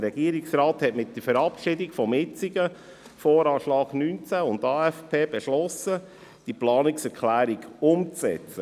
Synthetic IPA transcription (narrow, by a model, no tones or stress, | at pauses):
əɾɛɡ̥iəɾɪksɾɑːthɛtmɪt̚d̥əɾfəɾɑpʃɪdɪkfɔmjɪt͡siɡə | fɔːɾɑːʃlɑːɡ̥nynt͡sæʊndɑːɛfpʰeːbɛʃlɔsə | d̥iplɑːnɪksɛɾkʰlæːɾiɡʊmt͡sɛ̰t͡sə